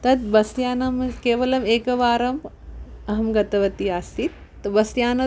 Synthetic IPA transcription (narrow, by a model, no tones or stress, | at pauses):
t̪ɐt̪̚bɐsjaːnɐmkeːʋɐlɐmeːkɐʋaːɾɐm | ɐɦɐmɡɐt̪ɐʋɐt̪iaːst̪it̪ːɐbɐsjaːnɐ